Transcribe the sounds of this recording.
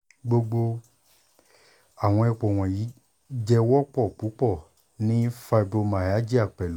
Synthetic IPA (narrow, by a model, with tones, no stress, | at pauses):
ɡ͡bo˧ɡ͡bo˧ | a˨w̃ɔ̃˧ɛ˧k͡po˨w̃ɔ̃˨ji˨˦ | d͡ʒɛ˧wɔ˦k͡pɔ˦˨k͡pu˨˦k͡pɔ˦˨ | nĩ˦fa˧bo˧mã˨ja˨˦d͡ʒi˦a˦˨k͡pɛ˨l